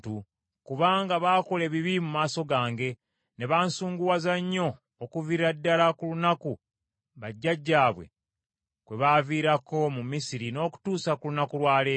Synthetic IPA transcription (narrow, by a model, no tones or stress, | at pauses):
tu | kuβaːŋɡaβaːko̞le̞βiβimumaːso̞ɡaːŋɡe̞ | ne̞βaːnsuːŋɡuwazaɲːo̞ː | kuviɾadːalakulunaku | βaɟːaɟːaːβwe̞̰ | kwe̞βaviːɾako̞mumisiɾino̞ːku̥tuːsakulunakulwaːle